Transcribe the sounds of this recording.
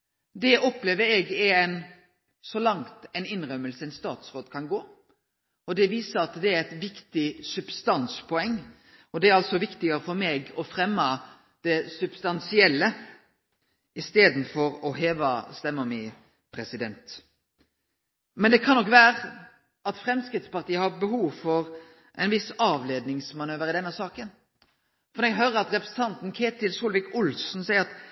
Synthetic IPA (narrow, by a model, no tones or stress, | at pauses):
d̪ɛʔɔpleːʋəɾɛɡɛɛn | sɔlɑŋt̪ɛnɪnɾœmːəlsəɛnst̪ɑːt̪sɾoːd̪kʰɑnɡoː | ɔd̪ɛʋiːsəɾɑt̪d̪ɛæɾɛt̪ʋɪkt̪ɪsʉb̥st̪ɑnspʰɔɛŋː | ɔd̪ɛæɾɑlt̪sɔʋɪkt̪ɪɡəɾəfɔɾmeɡɔfɾɛmːə | d̪̥ɛsʉb̥st̪ɑnsɪɛlːə | ɪst̪eːd̪n̩fɔɾɔɦeːʋɑst̪ɛmːɔmɪ | pʰɾɛsɪd̪ɛnt̪ | mɛnd̪ɛkʰɑnːɔkːʋæːɾə | ɑt̪fɾɛmskɾɪt̪spɑʁʈ̪iːəhɑɾbəɦuːʋfɔɾ | ʔɛ̰ɪnʋɪsɑːʋleːd̪nɪŋsmɑnøːʋəɾɪd̪ɛnːəsɑːkən | fɔɾd̪ɛɡɦøːɾəɾɑt̪ɾɛpɾəsət̪ʰɑnt̪n̩kʰeːt̪ɪlsuːlʋɪkʊlsn̩sæɪəɑt̪